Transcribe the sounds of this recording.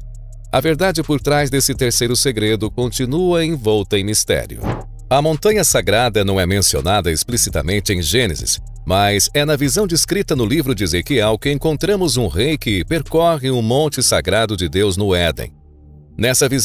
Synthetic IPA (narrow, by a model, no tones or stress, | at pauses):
ɐveɾd̪ad͡ʒɪpoɾt̪ɾazd̪esɪt̪eɾsejɾʊseɡɾed̪ʊkõnt͡ʃinuɐẽj̃vɔwt̪ɐẽj̃mist̪ɛ̰ɾjʊ̰ | ɐmõnt̪ɐ̃ɲɐsaɡɾad̪ɐnɐ̃w̃ɛmẽsio̰nad̪ɐisplisit̪ɐ̰mẽnt͡ʃɪẽj̃ʒẽnḛzɪ̰s | mɐzɛnɐvizɐ̃w̃d͡ʒɪskɾit̪ɐnʊlivɾʊd͡ʒɪezekiɛwkɪẽkõnt̪ɾɐ̃mʊzũʁejkɪpeɾkɔʁɪũmõnt͡ʃɪsaɡɾad̪ʊd͡ʒɪd̪ewznʊɛd̪ḛ̃ | nɛsɐviz